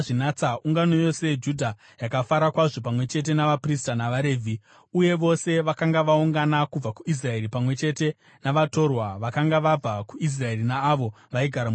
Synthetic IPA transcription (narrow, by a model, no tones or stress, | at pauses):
ʐinat͡sauŋɡano̞jo̞se̞d͡ʒudʱa | jakafaɾakwaʐo̞pamwe̞t͡ʃe̞t̬e̞naʋapristanaʋaɾe̞ːvʱi | uje̞ʋo̞se̞ʋakaŋɡaʋauŋɡanakub͡vakuis̬rae̞ɾipamwe̞t͡ʃe̞te̞ | naʋato̞rwaʋakaŋɡaʋab͡vakuis̬rae̞rinaːʋo̞ | ʋaiɡʱaɾam